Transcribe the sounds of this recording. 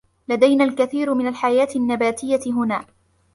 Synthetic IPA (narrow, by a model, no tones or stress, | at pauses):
lad̪ajnaːlkaθiːɾmɪnalħajaːt̪ɪnːabaːt̪ɪjːaɪɦʊnaː